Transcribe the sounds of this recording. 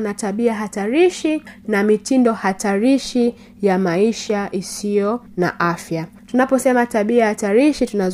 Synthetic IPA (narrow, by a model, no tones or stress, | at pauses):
nataɓiaɦataɾiʃinamitindɔhataɾiʃi | jamaiʃaʔisijɔ | na̰ʔafja | tunapɔsɛmataɓiahataɾiʃitunaz